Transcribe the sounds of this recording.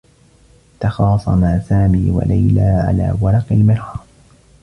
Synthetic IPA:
t̪ɑxɑːsˤɑmaʕsaːmiːwa̰lajlaːʕa̰la̰ːwɑɾˤɑqɪlmɪɾˤɑː

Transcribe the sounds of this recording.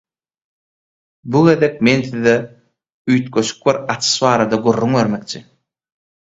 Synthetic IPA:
buɣe̞ðek̚me̞nθiðe | yjt̪køʃy̥k̚biɾɑt͡ʃ̪ʰɯ̥ʃβɑːɾɑd̪ɑɡyrːyŋβe̞ɾmek̚t͡ʃʰi

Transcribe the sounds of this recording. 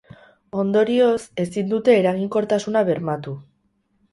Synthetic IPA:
o̞nd̪o̞ɾio̞se̞sind̪ut̪e̞ːɾaɣiŋko̞ɾt̪asunaβe̞ɾmat̪u

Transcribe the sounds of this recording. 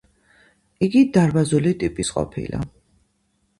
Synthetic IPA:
iɡid̪aɾbazulit̪ʼipʼisqʼɔ̰pʰḭla̰

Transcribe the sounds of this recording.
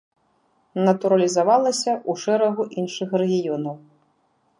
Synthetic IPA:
nɐt̪uɾɐlʲizavalˠɐsʲɐʔuʂɛɾɐɣuʔinʂɨxrɛɣʲijɔnɐw

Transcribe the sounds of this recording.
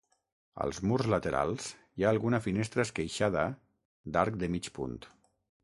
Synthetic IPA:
ə̰lˠzmurzlət̪eɾa̰lˠz̥ | jaːlˠɣunəfinest̪ɾəskəjʃaðə | d̪aɾk̚d̪əmit͡ʃpṵnt̪

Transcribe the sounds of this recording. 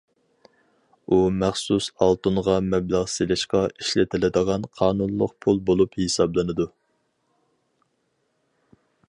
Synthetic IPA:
umæχsusɑlˠt̪unʁɑmɛblæʁselɪʃqɑiʃlɪt̪ʰɪlɪd̪əʁɑnqʰɑːnunlˠʊ̰q̚pʰulˠbolˠuphesɑblˠɨnɨd̪u

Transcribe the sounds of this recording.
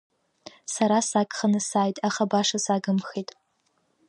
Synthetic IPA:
saɾasakʼχanɨsaːjtʼaχabaʂasaɡɨmχetʼ

